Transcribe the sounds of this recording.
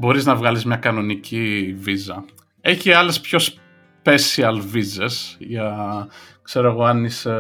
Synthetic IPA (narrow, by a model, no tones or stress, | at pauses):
bo̞ɾiznɐvɣɐlizmɲɐkɐno̞nicivizɐ | e̞çiɐle̞spço̞s | pe̞siɐlvize̞sʝɐ | kse̞ɾoeɣo̞ɐnis